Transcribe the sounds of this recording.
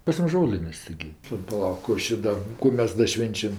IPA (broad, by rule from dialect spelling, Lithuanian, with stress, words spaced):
pɐs ˈmʊs ˈʒoːlʲɪnʲeːsʲ tʲɪˈɡʲɪ pɐˈlˠɐʊk ˈkuː ɐʃ ˈdɐ ˈkuː mʲɛs ˈdɐ ˈʃʲʋʲɛnʲt͡ʃʲɛm